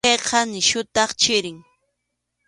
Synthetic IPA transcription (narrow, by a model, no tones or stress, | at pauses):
ejqʰɑnɪʃʊt̪ɑχt͡ʃɪɾɪŋ